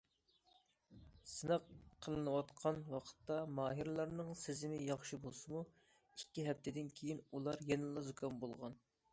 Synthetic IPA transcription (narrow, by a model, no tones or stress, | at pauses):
sɨnəqqʰːəlˠɨnɨwɑt̪qʰɑnwɑqʰə̥t̪ːɑmɑːɦiɾlˠɑɾnɨŋsɪzɪmɪjɑχʃibolˠsɨmu | ikʲːiɦɛp̚t̪ʰɪd̪ɪnkʲʰejinulˠɑɾjɛnɨlˠɑzokʰɑnbolˠʁɑ̰n